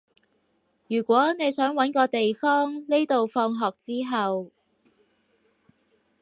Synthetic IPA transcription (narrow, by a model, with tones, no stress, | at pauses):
jyː˨˩kʷɔː˨˥ne˨˧jsœː˨˥ŋwɐ˨˥nkɔː˧t̪e˨jfɔː˥ŋne˥jt̪o˨wfɔː˧ŋɦɔː˨k̚t͡siː˥ɦɐ˨w